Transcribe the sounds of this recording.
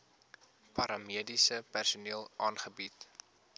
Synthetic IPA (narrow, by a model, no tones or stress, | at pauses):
pɐɾɑmiədisəpærsuniəlˠʔɑːnχəbit